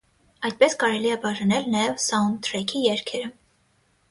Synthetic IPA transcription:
ɑjd̪̚pɛskɑɾɛliɛbɑʒɑnɛlnɑjɛvsɑund̪ɾɛkʰijɛɾkʰɛɾə

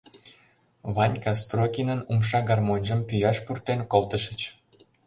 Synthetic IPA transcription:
βɑnʲkɑs̬t̪rokʲinənumʃɑɡɑrmonʲʒəmpyjɑʃpurt̪enkolt̪əʃə̆t͡ɕ

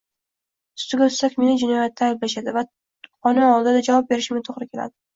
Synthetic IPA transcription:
ʊ̥st̪ɪɡʲaʊt̪sakʲme̞nad͡ʒɪnɒjat̪ʰːaːjblaʃad̪ɪva | qɒnɪɒlˠd̪ɪd̪ad͡ʒavɒp̚be̞ɾɪʃɪmɪt̪ʰoʁɾɪkʲʰe̞la̰d̪ɪ

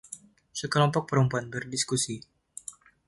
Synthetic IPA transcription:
səkəlɔmpɔk̚pəɾumpuanbərdiskusi

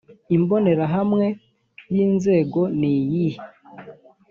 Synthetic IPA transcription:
imbo̞ne̞ɾaɦamŋe̞ | βiːnze̞ːɡo̞nijihi

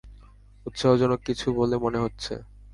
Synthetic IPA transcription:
ut̪ʃoɦod͡ʑɔnokit͡ɕʰubolemoneɦotːɕʰḛ

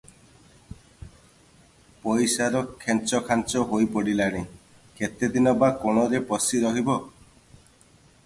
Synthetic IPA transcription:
pɔjsaɾɔkʰent͡ʃɔkʰant͡ʃɔɦojpɔɽilaɽ̃i | ket̪ed̪inɔbakɔɽ̃ɔɾepɔsiɾɔɦibɔ

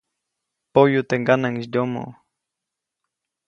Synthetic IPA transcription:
pojut̪eŋɡanaŋisd̪omo̰

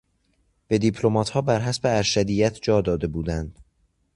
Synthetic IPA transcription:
b̥e̞d̪ipʰlo̞mɒːt̪hɒːbæɾɦæsbeæɾʃæd̪iːjæt̪ʰd͡ʒɒːd̪ɒːd̪e̞buːd̪ænd̪̥

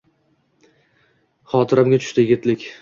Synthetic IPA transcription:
χɒt̪ʰɪɾamɡʲat͡ʃ̪ʰʊ̥ʃt̪ɪjɪɡʲɪt̪lɪkʲ

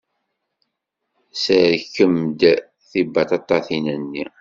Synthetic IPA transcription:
səɾkːəmd̪ | θibɑt̪ɑt̪ˤːɑθinənːi

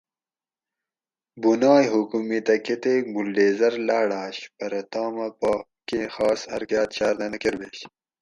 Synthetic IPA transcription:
bunɑːjɦukumit̪ɐket̪eːɡulɖeːzɐɾlaːɽaːɕpɐɾɐt̪aːmɐpɑː | kẽxɑːsɐ̰ɾkjɑːt̪ɕaːɾd̪ɐnɐkeɾbeːɕ

